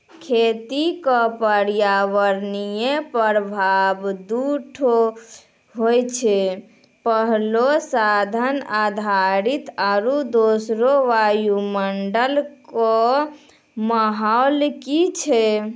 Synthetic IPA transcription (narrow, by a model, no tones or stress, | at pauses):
kʰet̪ikɔpəɾjaʋəɾnijepəɾbʱabd̪uʈʰo | ɦojt͡ʃʰɛ | pəɦlosad̪ʱənad̪ʱaɾit̪aɾud̪osɾoʋajuməɳɖəlkɔ | məɦaʊlkit͡ʃʰɛ